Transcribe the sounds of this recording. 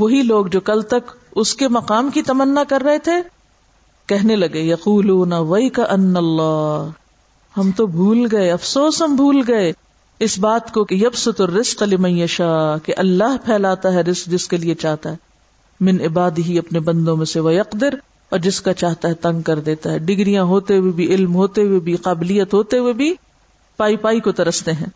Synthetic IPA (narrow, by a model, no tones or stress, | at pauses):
ʋɐɦiloːɡd͡ʒoːkɐlt̪ɐkʊskemɐqaːmkit̪ɐmənːakɐɾːɐɦet̪ʰe | kɛɦnelɐɡejɐquːluːnɐʋɐjkɐʔɐnːɐlːaː | hɐmt̪obʱuːlɡɐeɐfsoːsɦɐmbʱuːlɡɐe | ɪsbaːt̪kokejɐbsʊt̪ɐrːɪzqlɪmɐ̃jjɐʃaːkeʔɐlːaːɦpʰɛːlaːt̪aɦɛɾɪzq̚d͡ʒɪskeliet͡ʃaːɦt̪aɦɛ | mɪnɪbaːd̪ɪɦiɐpnebɐ̃nd̪õmẽseʋɐjɐqd̪ɪɾ | ɔːɾd͡ʒɪskat͡ʃaːɦt̪aɦɛt̪ɐ̃ŋɡ̚kɐɾd̪eːt̪aɦɛɖɪɡɾijãɦoːt̪eɦuwebʱiʔɪlmɦoːt̪eɦuwebʱiqaːbɪlijːət̪ɦoːt̪eɦuwebʱi | paːipaːikot̪ɐɾɐst̪eɦɛ̃ː